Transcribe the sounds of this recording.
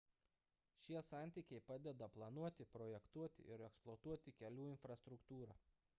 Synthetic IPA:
ʃʲiɛsɑˑnʲt̪ʲiːkʲɛɪpɑːd̪ʲɛd̪ɐplˠɐnuɔt̪ʲɪpɾɔjɛkt̪uɔt̪ʲɪ̰ɪɾɛksplˠɔt̪uɔt̪ʲɪkʲɛlʲuːɪnfɾɐst̪ɾʊkt̪uːɾɑː

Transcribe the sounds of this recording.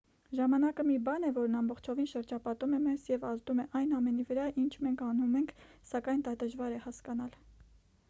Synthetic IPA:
ʒɑmɑnɑkəmibɑnɛvɔɾnɑmbɔχt͡ʃʰɔvinʃəɾd͡ʒɑpɑt̪umɛmɛzjɛvɑzd̪umɛʔɑjnɑmɛnivəɾɑʔint͡ʃʰmɛŋkʰɑnumɛŋkʰsɑkɑjnd̪ɑd̪əʒvɑɾɛhɑskɑnɑl

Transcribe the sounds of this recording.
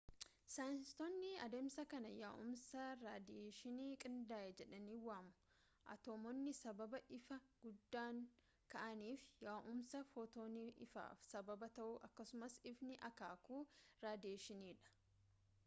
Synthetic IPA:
sanst̪ɔnːɪɐ̰d̪eːmsɐkɐnɐjaːʔʊmsɐɾaːd̪eːʃɪniːkʼɪnd̪aːʔɛd͡ʒɛᶑɐniːwaːmʊ̥ | ʔɐ̰t̪oːmɔnːɪsɐbɐbɐʔɪfɐɡ̥ʊd̪ːaːŋ | kɐʔɐniːfjaːʔʊmsɐfoːt̪oːniɪ̰fa̰ːfsɐbɐbɐt̪ɐʔuʔɐkːɐsʊmɐsɪfnɪʔɐkaːkuːɾaːd̪ɪeːʃɪniːᶑɐ̥

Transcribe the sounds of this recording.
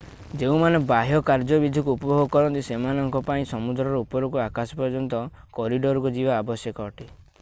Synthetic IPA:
d͡ʒeũmanebaɦjɔkaɾd͡ʒɔbid̪ʱikuupɔbʱɔɡɔkɔɾɔnt̪isemanɔŋkɔpaĩsɔmud̪ɾɔɾɔupɔɾɔkuakasɔ̥pɔɾd͡ʒɔnt̪ɔ | kɔɾiɖɔɾukud͡ʒibaːbɔsjɔkɔɔʈi

